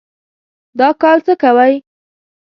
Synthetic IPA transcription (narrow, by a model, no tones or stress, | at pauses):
d̪ɑkɑlt͡səkawaj